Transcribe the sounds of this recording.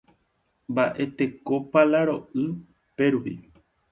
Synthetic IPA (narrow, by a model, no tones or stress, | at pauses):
mbaʔe̞t̪e̞ko̞palaɾo̞ʔɨ | pe̞ɾupḭ